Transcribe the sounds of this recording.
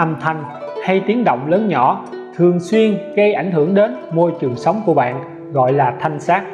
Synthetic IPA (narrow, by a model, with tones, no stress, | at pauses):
ʔa˨˩mt̪ʰa˨˩jŋ̟ha˧jt̪i˨˦ənɗo̰˧˨wŋ͡mləː˨˦nɲɔ˧˩ | t̪ʰɨ˨˩əŋswi˧ənɣə˧jʔa˧˩jŋ̟ɦɨ˧˩əŋɗe˨˦nmo˧jt͡ɕɨ˨˩əŋsa˨˦wŋ͡mku˧˩əɓa̰ː˧˨n | ɣɔ̰˧˨jlaː˨˩t̪ʰa˧jŋ̟saː˦˥k̚